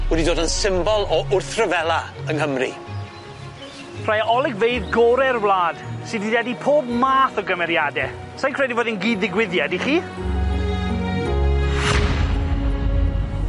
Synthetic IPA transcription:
wɛdidoːdənsɪmbɔlˠɔʔʊrθrəvɛlˠaənɦəmrḭ | pr̥ajɔlˠɪɡvejðɡɔɾɛrwlˠaːd̥sɪdidɛdipʰoːb̚maːθɔɡəmɛɾjadɛ | sajnkʰr̥ɛdivoːdɪnɡiːdðɪɡwɪðjadiχiː

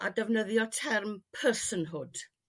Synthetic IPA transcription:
adɛvnəðjɔtʰɛrmpʰəsənɦʊd̥

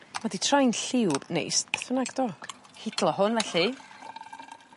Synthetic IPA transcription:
maditʰrajnɬɪwbnḛjsθənaɡdɔ | hɪdlˠɔɦʊnvɛɬi

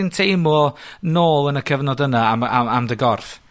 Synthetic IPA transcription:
ɪntʰejmɔnoːlˠənəkʰəvnɔdənaaaamdəɡɔrf

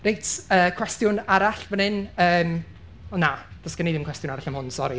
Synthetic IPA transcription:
rejtʰəːkʰw̥ɛstjʊnaɾaɬvənɪnəːm | ɔnːad̥ɔsɡ̥əneðɪmkwɛstjʊnaɾaɬəmhʊnsɔɾi

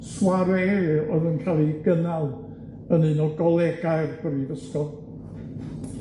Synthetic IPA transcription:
swaɾɛɔðənkʰalˠiɡənalˠ | əninɔɡɔlˠɛɡajrɡ̥əɾiðəskɔlˠ

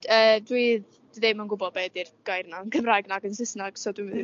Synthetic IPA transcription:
əːdwiːð̥ | iðejmanɡʊbɔbɛdirɡ̥ajrnaənkʰəmrajɡnaːɡənsɪsnaɡ̥sɔduv

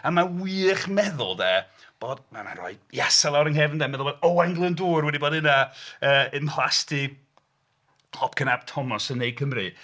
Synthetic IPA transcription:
amawiːχmɛðʊ̰lˠdɛː | b̥oːd̥mama̰nrɔ̰ɨdjasalˠawɾəŋhɛvndɛmɛðʊlˠbodɔaŋɡlˠənduːrwɛdiboːdɪnaəːɪnlˠastʰi | lɔp̚ʰkʰənab̥tʰɔmɔsənːejd̚kʰəmrɨ

